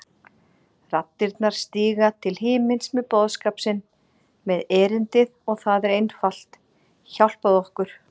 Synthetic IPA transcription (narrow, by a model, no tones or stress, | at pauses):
rat̪ːɪɾt̪naɾ̥st̪iːɣat̪ʰɪlɦɪːmɪnsmɛðpɔːðskaːpsɪn | mɛðɛːɾɪnt̪ɪðɔɣθaðɛɾejnfal̥t̪ | çawl̥poðɔhkʏɾ̥